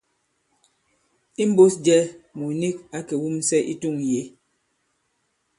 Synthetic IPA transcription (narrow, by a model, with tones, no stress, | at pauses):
i˦m̩˦bo˦sd͡ʒɛ˦mu˨ni˦k̚a˦ke˨wu˦m˦sɛ˦ʔḭ˦tu˦˨ŋje˨˦